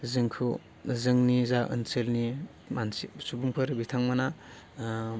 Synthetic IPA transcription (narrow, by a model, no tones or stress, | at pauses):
zɯŋkʰu | zɯŋnizaʔɯ̰nselni | mansisubuŋpʰɯɾbitʰaŋmana